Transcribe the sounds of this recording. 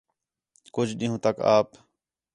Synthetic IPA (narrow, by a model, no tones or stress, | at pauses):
kʊd͡ʒɗĩːɦũːt̪əkaːp